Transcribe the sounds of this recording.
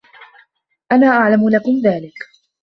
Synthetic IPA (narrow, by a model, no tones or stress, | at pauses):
ʔanaːʔaʕlamʊlakʊmðaːlɪk